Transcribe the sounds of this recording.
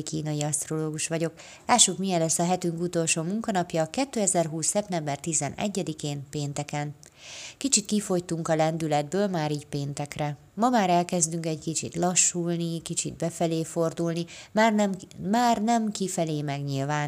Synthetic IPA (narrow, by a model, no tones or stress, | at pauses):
kiːnɒjiɒst̪ro̞loːɡuʃʋɒɟo̞k | laːʃukmijɛlɛsːɒɦɛt̪yŋkut̪o̞lʃoːmuŋkɒnɒpjɒkɛt̪ːøːɛzɛrɦuːsːɛp̚t̪ɛmbɛrt̪izɛnɛ̰ɟːɛd̪ikeːnpeːnt̪ɛkɛn | kit͡ʃit̪kifo̞jt̪uŋkɒlɛnd̪ylɛd̪̚bøːlmaːɾiːɟpeːnt̪ɛkrɛ | mɒmaːɾɛlkɛzd̪yŋkɛɟkit͡ʃḭt̪lɒʃːuːlnikit͡ʃḭd̪̚bɛfɛleːfo̞rd̪ulnimarnmaːrnɛmkifɛleːmɛɡɲilvaːn